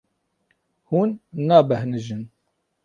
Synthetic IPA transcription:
huːnːaːbæhnəʒɨn

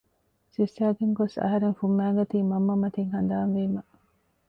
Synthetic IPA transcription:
sisæːɡeŋɡosɐ̰ɦɐɾeŋfumːæːɡɐt̪iːmɐmːɐmɐt̪iŋhɐnd̪aːnʋeːmɐ

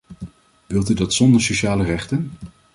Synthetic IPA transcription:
ʋɪlˠtydɑtsɔndəɹsoʃaːlərɛχtən

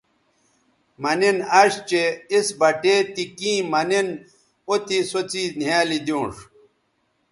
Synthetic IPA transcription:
mɐninɐʂt͡ɕeisbɐʈeːt̪ikĩːmɐnin | ot̪isot͡siːnjaːlid̪jõːʂ

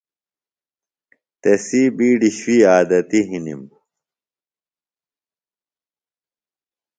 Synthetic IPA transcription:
t̪esiːbiːɖiɕwiːaːd̪ɐt̪iɦinḭm

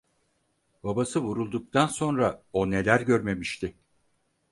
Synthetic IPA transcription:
babasɯβuɾulˠd̪uk̚t̪ʰanso̞nɾao̞ne̞lʲæɾɟøɾme̞miʃt̪ʰɪ

